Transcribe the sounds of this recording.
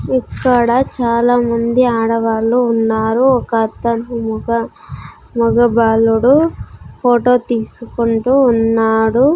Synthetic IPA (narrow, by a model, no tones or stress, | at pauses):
ikːɐɽɐt͡ʃaːlaːmɐnd̪iaːɽɐʋaːɭluːnːaːɾuɔkɐt̪ːɐɳumuɡɐ | mɔɡɐbaːluɽupoːʈo̞ːt̪iːsukuɳʈuːnːaːɽu